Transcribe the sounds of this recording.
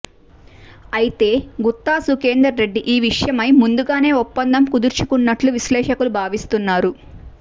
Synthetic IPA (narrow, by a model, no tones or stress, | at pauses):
ɐjit̪e̞ːɡut̪ːaːsukeːnd̪ɾɐɾːe̞ɖːiʔiːʋiʂjɐmɐjmund̪uɡaːne̞ːɔpːɐnd̪ʱɐmkud̪uɾt͡ʃu̥kunːɐʈluʋislɛːʂɐkulubʱaːʋist̪unːaːɾu